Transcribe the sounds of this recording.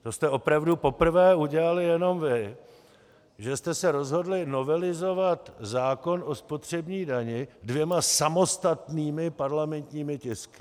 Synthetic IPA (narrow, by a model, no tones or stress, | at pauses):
t̪o̞st̪ɛʔo̞pɾavdupo̞pr̩vɛːuɟɛlalɪjɛno̞mvɪ | ʒɛst̪ɛsɛɾo̞zɦo̞dlɪno̞vɛlɪzo̞vat̪zaːko̞no̞spo̞t̪r̝̥ɛbɲiːdaɲɪdvjɛmasamo̞st̪at̪niːmɪpaɾlamɛnt̪ɲiːmɪcɪskɪ̥